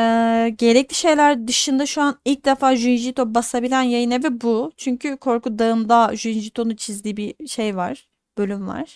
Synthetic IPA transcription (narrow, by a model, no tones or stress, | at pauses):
ɛːɟe̞ɾɛclʲiʃe̞jlʲæɾd̪ɯʃɯnd̪aʃuanilʲc̚d̪efaːʒyinʒit̪o̞basabilʲænjajɯnavɛbut͡ʃʰyɲcʰykʰo̞ɾkud̪aɯmd̪aʒyinʒit̪ʰo̞nut͡ʃʰizd̪iːbiʃejva̰ɾ̥ | b̥ølʲymva̰ɾ̥